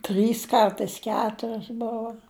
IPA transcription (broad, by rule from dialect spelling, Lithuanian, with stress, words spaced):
ˈtʲrʲiːs ˈkɐrtɐɪs ˈkʲæːtʊrʲoːs ˈboːʋoː